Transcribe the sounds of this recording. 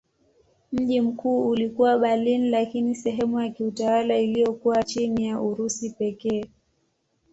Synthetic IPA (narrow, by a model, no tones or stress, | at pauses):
m̩ʄim̩kuːulikuwaɓalinlakinisɛɦɛmujakiutawalailijɔkuwat͡ʃinijaʔuɾusipɛkɛː